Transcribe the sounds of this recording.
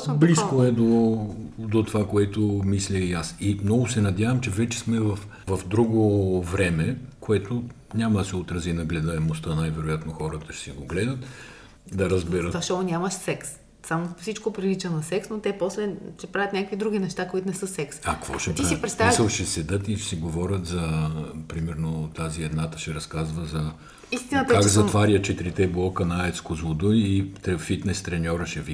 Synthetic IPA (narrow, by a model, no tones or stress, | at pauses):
bliskoɛd̪o | d̪ot̪ovakoɛt̪omislʲəiasimnɔɡʊsɛnɐd̪ʲjavɐmt͡ʃɛvɛt͡ʃɛ̥smɛvɐf | vɐfd̪ɾuɡovɾɛmɛkoɛt̪ʊ | nʲamɐd̪ɐsɛot̪ɾɐzinɐɡlɛd̪əɛmost̪ənajvɛɾʊjat̪noxɔɾɐt̪ɐ̥ʃɛ̥sɛɡoɡlɛd̪ɐt̪ | d̪ɐɾɐzbɛɾəaʃt̪ɔnʲamɐʃsɛks | samofsit͡ʃkopɾilit͡ʃənɐsɛksnot̪ɛpɔslɛʃɛpɾavʲət̪nʲakəkvid̪ɾuɡʲinɛʃt̪akoit̪onɛsɤsɛksɐkvɔ̰ʃɛt̪isipɾɛt̪aisəlˠʃɛsɛd̪ət̪isiɡovɔɾʲɐt̪zɐpɾimɛɾnot̪aziɛd̪nat̪ɐ̥ʃɛɾɐskazvɐzɐ | ist̪inət̪kɛakzɐvaɾʲjət͡ʃɛt̪iɾit̪ɛblˠɔkənɐaɛt̪skozvod̪uit̪ɛfit̪nɛst̪ɾɛnʲɔɾɐʃɛvi